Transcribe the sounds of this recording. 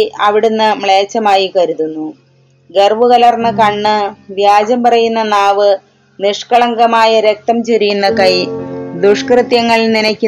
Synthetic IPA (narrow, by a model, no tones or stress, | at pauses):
ɐʋiɽunːɨmɭeːt͡ɕːɐmaːjikɐɾuðunːu | ɡe̞rʋuɣɐlɐrnːɨkɐɳːɨʋjaːd͡ʑɐmpɐrɐjunːɐnaːʋɨ | niʂkɐɭɐŋɡɐmaːjɐɾek̚t̪ɐmt͡ɕeɾijunːɐkɐjd̪uʂkrɨt̪jɐŋːɐɭninɐkʲːu